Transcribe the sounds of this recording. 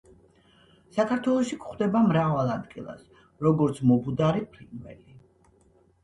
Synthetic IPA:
sakʰaɾt̪ʰwɛlˠɔʃikʰχd̪ɛbamɾavalˠad̪ɡilˠa̰s | ɾɔɡɔɾt̪sʰmɔbud̪aɾipʰɾid̪ʼvɛ̰li

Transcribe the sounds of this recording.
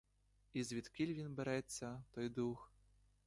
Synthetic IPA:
izʲvʲit̪kʲilʲvʲinbɛɾajɛt̪sʲɐt̪ɔjd̪ux

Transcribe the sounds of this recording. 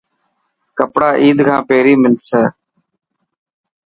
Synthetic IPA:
kəpɽaːʔiːd̪kʰãːpeːɾiːmɪnsəː

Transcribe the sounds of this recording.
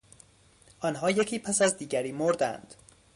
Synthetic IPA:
ʔɒːnɦɒːjecʰiːpʰæsæzd̪iːɟæɾiːmoɾd̪æ̰nd̪̥

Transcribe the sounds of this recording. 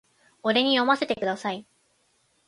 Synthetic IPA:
o̞ɾe̞ɲ̟ijo̞mase̞t̪e̞kɯ̟d̪asai

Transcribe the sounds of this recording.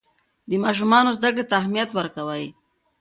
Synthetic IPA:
d̪əmɑʃ̬umɑnozd̪akɽet̪aːhmijat̪wəɾkawaj

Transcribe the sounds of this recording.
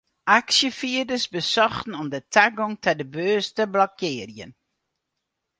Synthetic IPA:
ʔaksjəfiədəsbəsɔχtn̩ɔmdətʰaɡɔŋtɛdəbøːstəblɔkʰɪːrjə̰n

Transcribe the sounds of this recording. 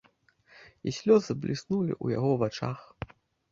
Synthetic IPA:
isʲlʲɔzɨblʲisnulʲḭʔuja̰ɣɔvat͡ʂa̰x

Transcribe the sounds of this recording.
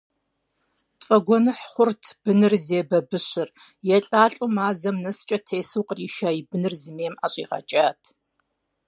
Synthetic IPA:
tfʼɐɡʷɔnɨħχʷʊrtʰb̥ɨnɨrzeːbɐbɨɕɪr | jɛɬʼaːɬʼʊmaːzɐmnɐst͡ʃʼɐtʰeːsuwqəriːʃaːibɨnɨrzɨmeːma̰ːɕʼḭːʁɐ̰t͡ʃʼaːtʰ

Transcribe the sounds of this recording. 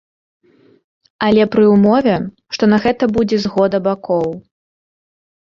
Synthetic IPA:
ɐlʲɛpɾɨumɔvʲɛ | ʂt̪ɔnɐɣɛt̪ɐbud͡zʲɛzɣɔd̪ɐbakɔw

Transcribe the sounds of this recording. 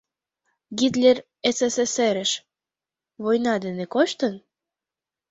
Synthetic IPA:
ɡit̪lʲer | eseseseɾə̆ʃ | βojnɑd̪enekoʃt̪ən

